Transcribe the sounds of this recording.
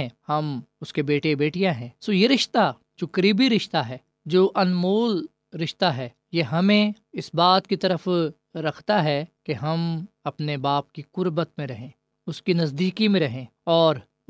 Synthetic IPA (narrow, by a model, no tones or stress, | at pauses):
ɛ̃ːhɐmʊskebeːʈebeːʈijãɦɛ̃ːsoːjeɾɪʃt̪a | t͡ʃʊkɾiːbiɾɪʃt̪aɦɛː | d͡ʒoːʔɐnmoːl | ɾɪʃt̪aɦɛː | jeɦɐmẽ | ɪsbaːt̪kit̪ɐɾəf | ɾɐkʰt̪aɦɛkeɦɐmɐpnebaːp̚kiqʊɾbət̪mẽɾɐɦẽː | ʊskinɐzd̪iːkimẽɾɐɦẽːɔːɾ